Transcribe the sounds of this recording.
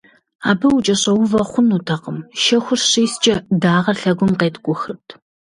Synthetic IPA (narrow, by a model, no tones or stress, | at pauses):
aːbɨwʊt͡ʃʼɐɕɐwʊvɐχʷʊnuːtʰɐqəmʃɐxʷʊrɕiːst͡ʃʼɐdaːʁɐɬɐɡʷʊmqeːtʰʼɡʷʼʊxɨrtʰ